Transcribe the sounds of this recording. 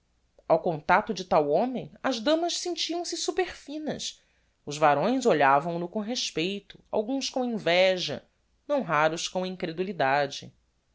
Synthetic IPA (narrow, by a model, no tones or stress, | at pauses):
awkõnt̪at̪ʊd͡ʒɪt̪awõmẽj̃ɐzd̪ɐ̃mɐʃsẽnt͡ʃiɐ̃w̃sɪsupeχfĩnɐ̰s | ʊzvaɾõj̃zoʎavɐ̃w̃nʊkõɦeʃpejt̪ʊ̥a̰wɡũskõw̃ĩvɛʒɐ̰ | nɐ̃w̃ɦaɾʊskõĩŋkɾed̪ulid̪ad͡ʒɪ̰